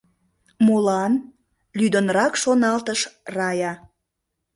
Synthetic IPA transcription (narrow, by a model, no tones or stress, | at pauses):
molɑn | lyd̪ənɾɑkʃonɑlt̪əʃrɑjɑ